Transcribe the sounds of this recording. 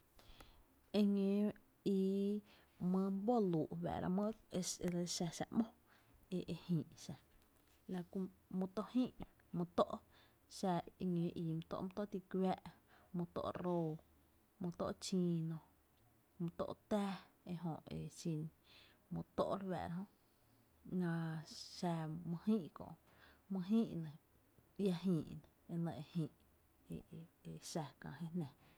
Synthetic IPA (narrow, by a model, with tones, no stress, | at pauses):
e˧ŋẽ˨ | i˧ | mə̃˧m˦bo˦luː˨ʔβɛ̰ː˨ɾa̰˧mə̃˦e˧e˧ɾe˧ʃa˧ʃa̰˧ʔmõ˦ | e˧ʔe˧hĩː˨ʔʃa˨ | la˧ku˧mõ˧t̪o˧ʔhĩː˦˨ʔ | mõ˧t̪o˦ʔ | ʃa˧ŋẽː˨˦ʔiː˧˨mũ˧t̪o̰˧ʔmũ˧t̪o˦ʔt̪i˧kwɛː˦ʔmũ˧t̪o̰˦˧ʔɾoː˧ | mũ˧t̪o̰˦ʔt͡ʃĩː˧nõ˧ | mũ˧t̪o̰˧ʔt̪æː˦ | e˧ɦõ˨ʔḛ˨ʃĩ˧n | mõ˧t̪o̰˦ʔɾwɛ̰ː˧˨ɾɦõ˦ʔ | nã˧ʃa˧mə̃˧hĩː˦ʔkõ̰˨ʔ | mɨ̃˧ɦĩː˦ʔnẽ˨ | ja˧ɦĩː˨ʔnẽ˨e˧nə̃˧ʔe˧˨hĩː˧˨ʔ | e˧˨e˨ʃa˧kã̰ː˨ɦe˦nɛ̃˨